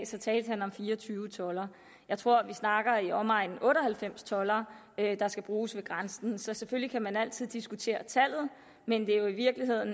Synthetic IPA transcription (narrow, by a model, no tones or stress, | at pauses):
sɒ̽t͡sʰɛːld̥hænɒ̽mfiːɐɒt͡sʰyːʊət͡sʰɒ̽lɐ | jɑɪt͡sʰʁo̝ɐ̰ʋisnɑ̈ɡ̥ɐiɒ̽mɑ̈ɪ̰n̩ʔɔ̽ːɾɒ̽hælfem̰st͡sʰɒ̽lɐ | ød̥ɑ̈sɡ̥æb̥ʁuːsʋe̝ɡ̥ʁansn̩sɒ̽seføllikʰæmænæl̰t͡sʰið̞̰ˠd̥isɡ̥ut͡sʰe̝̰ːɐt͡sʰæl̰ð̞̩ˠ | mend̥e̝jo̝iʋiɐɡ̥liɦe̝ð̰ˠn̩